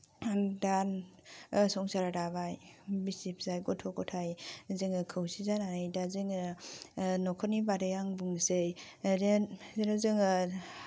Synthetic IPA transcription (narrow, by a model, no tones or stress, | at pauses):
dan | sɔŋsaɾaɾabajbisip̚ʰzajɡɔtʰɔkɔtʰajzɯŋɯkʰɯwsizananɯjdazɯŋɯ | nɔkʰɔnibaɾɯjaŋbuŋsej | ɾenɾɯzɯŋɯ